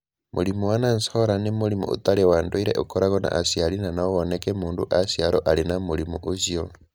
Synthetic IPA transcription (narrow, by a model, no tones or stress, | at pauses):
mʔuɾimuwanansooɾanemoɾimṵo̰taɾewandoiɾḛʔokoɾaɣɔna̰ʔasjalinanaoβonekɛmuːnduʔasjaɾoʔalenamuɾimuʔozio